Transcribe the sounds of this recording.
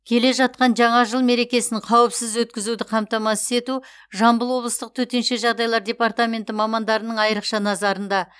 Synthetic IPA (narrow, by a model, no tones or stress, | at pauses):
kʲʰe̞le̞ʒɑt̪̚qɑnʒɑɴɑʒəlˠme̞ɾe̞kʲe̞sɪŋqʰɑwɪpsɪzwɵt̪̚kʲɪzud̪ɪqʰɑmt̪ɑmɑsɪ̥se̞t̪u | ʒɑmbəlˠwo̞blˠəst̪əq̚t̪ʰɵt̪e̞nʃe̞ʒɑʁd̪ɑjlˠɑɾdʲe̞part̪amʲe̞nt̪ɪmɑmɑnd̪ɑɾənəɴɑjəɾəqʃɑnɑzɑɾənd̪ɑ